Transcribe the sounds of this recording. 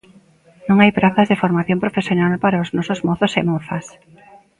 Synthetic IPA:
nõŋajpɾaθazðefoɾmaθjõmpɾofesjonalpaɾaoznɔsozmɔθosemɔθɐs

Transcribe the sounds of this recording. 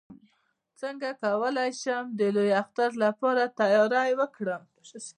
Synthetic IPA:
t͡səŋɡakawəlajʃəmd̪əlojaxt̪aɾlapɑɾat̪ajɑɾajwəkɽəm

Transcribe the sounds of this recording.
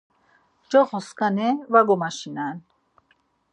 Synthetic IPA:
d͡ʒɔχɔskanɛvaɡɔmaʃinan

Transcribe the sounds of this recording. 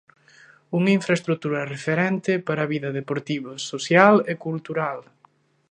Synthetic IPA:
uŋiɱfɾaɐest̪ɾut̪uɾɐrefeɾɛnt̪ɪpaɾɐːβiðɐðepoɾt̪iβososjalekult̪uɾal

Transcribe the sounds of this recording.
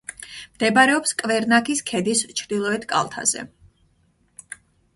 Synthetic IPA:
md̪̥ɛbɾɛɔpskʼvɛɾnakʰiskʰɛd̪ist͡ʃʰɾd̪ilˠɔɛt̪ʰkʼa̰lˠt̪ʰa̰zɛ̰

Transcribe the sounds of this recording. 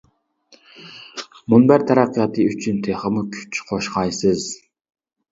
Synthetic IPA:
munbæɾt̪ʰæɾɑqːjɑt̪ʰɨyt͡ʃʰynt̪ʰeχəmukʲʰy̥t͡ʃʰqʰoʃqɑjsɨz

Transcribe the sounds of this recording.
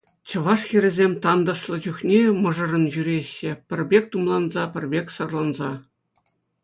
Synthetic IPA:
t͡ɕɤ̆ʋɑʂxʲiɾʲɘ̆zʲemʲt̪ɑnd̪ɤ̆ʂlˠɤ̆d͡ʑuxnʲemɤ̆ʐɤ̆rɤ̆nʑyɾʲeɕːɘ̆pʲɘ̆rʲbʲek̚ʲt̪umlˠɑnzɑpʲɘ̆rʲbʲekʲsɤ̆rlˠɑnzɑ

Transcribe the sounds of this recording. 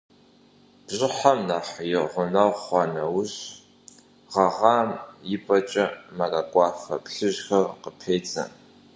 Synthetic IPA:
b̥ʑʼɪħamnaːħjɪʁʷʊnɐʁʷχʷɑːnɐwʊɕ | ʁɐʁɑːmjɪpʼɐt͡ʃʼɐmɐkʼakʷʼɑːfɐ̰pɬɨʒxɐrqəpʰeːt͡sʼɐ̰n

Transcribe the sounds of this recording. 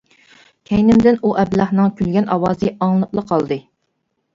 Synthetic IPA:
kʲʰɛjnɪmd̪ɪnuʔɛblɑχnɨŋkʲylɡʲɛnʔɑwɑːzɨɑŋlˠɨplˠəqʰɑlˠd̪ɨ

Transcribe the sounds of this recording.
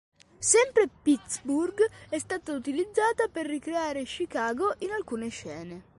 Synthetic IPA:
sɛmpɾepit̪sburɡɛst̪aːt̪aut̪ilid̪zːaːt̪aperːikɾeaːɾeʃikaːɡoʔinalkuːneʃɛːne

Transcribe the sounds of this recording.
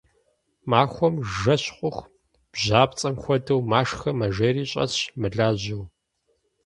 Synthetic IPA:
maːxʷɔmʒɐɕqʷʼʊx | b̥ʑaːpt͡sʼɐmxʷɔdɐwmaːʂxɐmɐʒeɾiːɕʼɐ̰ɕmɨɮaːʑɪw

